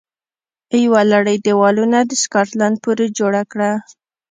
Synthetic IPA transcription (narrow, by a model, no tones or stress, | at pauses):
əjwalaɽəjd̪ewɑlunad̪əskɑʈland̪̚puɾed͡ʒoɽakɽa